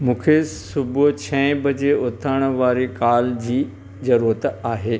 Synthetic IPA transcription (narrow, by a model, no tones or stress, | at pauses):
mũːkʰesʊbt͡ɕʰɛ̃bɐd͡ʑeʊt̪ʰaːɽ̃ʋaːɾekaːld͡ʑiː | zɐɾuːɾət̪aːɦeː